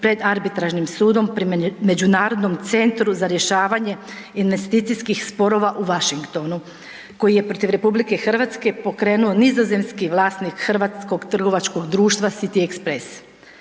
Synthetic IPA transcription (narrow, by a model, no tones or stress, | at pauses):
pɾe̞d̪aɾbit̪ɾaʒnimsuːd̪o̞mpɾime̞d͡ʑunaːɾo̞d̪no̞mt̪se̞nt̪ɾuzaɾje̞ʃaːʋaɲe̞ | inʋe̞st̪iːt̪ijskixspo̞ɾo̞ːʋaʔuʋaʃiŋkt̪o̞nu | ko̞jije̞pɾo̞t̪iʋɾe̞publike̞xr̩ʋat̪ske̞po̞kɾe̞ːnuonizoze̞mskiʋlˠaːsnikxr̩ʋat̪sko̞ɡt̪r̩ɡo̞ʋat͡ʃko̞ɡd̪ɾuːʃt̪ʋasit̪iekspɾes